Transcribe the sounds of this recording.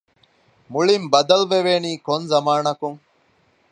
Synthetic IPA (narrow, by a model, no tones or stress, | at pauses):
muɭimbɐd̪ɐlʋeʋeːniːkonzɐmaːnɐkuŋ